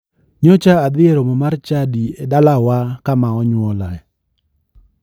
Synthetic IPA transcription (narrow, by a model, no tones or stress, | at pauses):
ɲɔt͡ʃaːd̪ɪeɾomɔmart͡ʃadiedalawakamaɔɲwɔlaɛ